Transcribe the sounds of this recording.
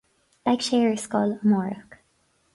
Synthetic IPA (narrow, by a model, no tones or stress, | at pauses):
b̥akʃɛɹskɔlmɔɹə̰k